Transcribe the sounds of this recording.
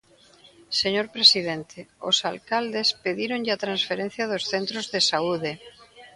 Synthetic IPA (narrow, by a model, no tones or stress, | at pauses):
seɲoɾpɾesiðent̪eo̰salkald̪espeðiɾonʎeat̪ɾãnsfeɾẽn̟θjaðosθent̪ɾozðesauðe